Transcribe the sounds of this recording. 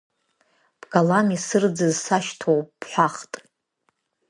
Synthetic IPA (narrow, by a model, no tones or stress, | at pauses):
b̥ɡalanisɨrd͡zɨzsaʃtʰowpʼːħʷaχtʼ